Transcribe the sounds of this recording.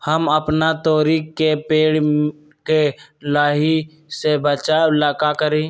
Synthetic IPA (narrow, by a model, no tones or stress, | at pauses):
həməpnat̪ɔːɾiːkːepeːɽ | kelaːɦi | sebət͡ʃaɪlaːkakəɾẽː